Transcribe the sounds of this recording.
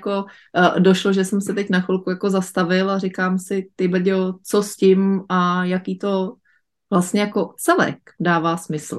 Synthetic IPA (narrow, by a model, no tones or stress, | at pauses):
ko̞ | doʃloʒɛsɛmsɛt̪ɛcnaxʊlkujako̞zast̪avɪlarɪkaːmsɪt̪ɪbl̩ɟɛot͡soscɪmajakiːt̪o̞ | vlast̪ɲɛjako̞t͡sɛlɛ̰kdaːvaːsmɪsl̩